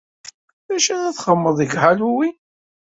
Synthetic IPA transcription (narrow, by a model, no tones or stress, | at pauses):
ðæʃænæθχəmːəðˤəɡʕaluwi